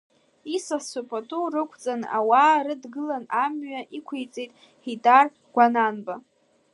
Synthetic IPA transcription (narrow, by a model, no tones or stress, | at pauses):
isasopʰʼatʰʼurɨkʷʰt͡sʼana̰waːɾɨdɡɨlanamɥaʔikʷʰejt͡sʼejtʼ | hidʼar | ɡʷananba